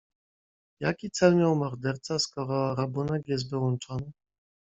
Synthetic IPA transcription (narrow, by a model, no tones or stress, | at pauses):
jakʲit̪sɛlmʲjawmɔɾd̪ɛɾt̪saskɔɾɔɾabunɛɡjɛs̬t̪vɘwɔnt͡ʂɔnɘ